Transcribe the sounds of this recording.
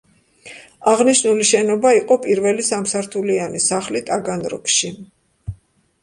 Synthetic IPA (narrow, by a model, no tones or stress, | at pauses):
aʁniʃnuliʃɛnɔbaiqʼɔpʼiɾvɛlisamsaɾt̪ʰulianisaχlit̪ʼaɡanɾɔ̰kʰʃi